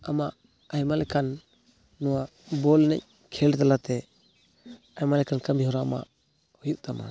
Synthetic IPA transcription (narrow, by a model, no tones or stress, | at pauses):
amaʔ | ajmalɛkanː | ɔwa | bɔlnɛ̰c̚ | kʰɛlt̪alat̪ɛ | ajmalɛkankambiɦɔɾama̰ | hujut̪̚t̪ama̰